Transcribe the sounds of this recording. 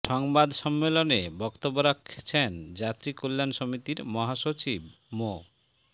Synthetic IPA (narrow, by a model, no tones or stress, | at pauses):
ʃɔŋbad̪ʃɔmːelonebɔkt̪obːoɾakʰːe̥t͡ɕʰend͡ʑat̪ɾikolːanʃomit̪iɾmɔɦaʃot͡ɕib | mo